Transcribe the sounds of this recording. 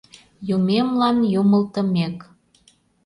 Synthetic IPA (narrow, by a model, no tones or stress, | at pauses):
jumemlɑnjuməlt̪əmek